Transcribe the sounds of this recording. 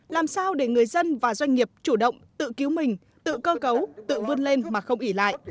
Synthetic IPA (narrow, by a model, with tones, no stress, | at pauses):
laː˨˩msaː˧wɗe˧˩ŋɨ˨˩əjzə˧nvaː˨˩zwa˧ŋ̟ŋi˨˩əp̚t͡ɕu˧˩ɗə̰˧˨wŋ͡mt̪ɨ̰˧˨ki˨˦wmï˨˩ŋ̟ | t̪ɨ̰˧˨kəː˧kə˨˦wt̪ɨ̰˧˨vɨ˧ənle˧nmaː˨˩xə˧wŋ͡mʔi˧˩la̰ː˧˨jʔ